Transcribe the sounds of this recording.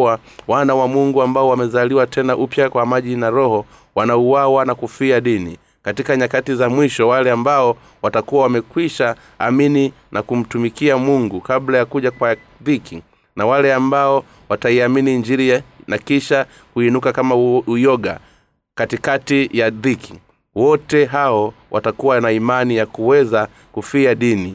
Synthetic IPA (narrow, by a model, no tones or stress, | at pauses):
a | wanawamuŋɡuambaɔwamɛzaliwatʰɛnaʔupjakwamaʄinaɾɔhɔ | wanauwawanakufiaɗini | katikaɲakatizamwiʃɔwalɛambaɔ | watakuwawamɛkwiʃaː | mini | nʔakum̩tumikiamuŋɡukablajakuʄakwa | ðikiŋ | nawalɛambaɔ | wataiaminiːɲd͡ʒiɾianakiʃa | kuinukakamaujɔɡa̰ | katikatijaðikiŋ | wɔtɛɦaɔwʔa̰takuwanaimanijakuwɛza | kufiaɗini